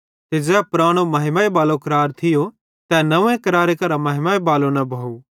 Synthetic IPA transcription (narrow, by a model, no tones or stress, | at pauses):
t̪ed͡ʒɛːpʊɾaːɽ̃omɐɦɪmaːebaːlokɐɾaːɾt̪ʰɪjo | t̪ɛnɐʋẽkɐɾaːɾekɐɾamɐɦɪmaebaːlonɐbʱau